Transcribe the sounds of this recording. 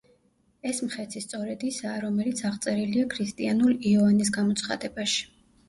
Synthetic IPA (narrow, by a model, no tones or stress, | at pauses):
ɛsmχɛt̪ʰist̪sʼɔɾɛd̪isaːɾɔmɛlit̪sʰaʁt̪sʼɛɾiliakʰɾist̪ʼianuliɔvanis̬ɡamɔt̪sʰχa̰d̪ɛbaʃi̥